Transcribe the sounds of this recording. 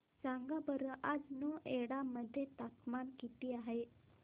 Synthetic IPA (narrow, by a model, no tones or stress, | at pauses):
saŋɡabəɾəʔad͡znəeɽaməd̪ʱːjet̪apmankit̪iːaɦe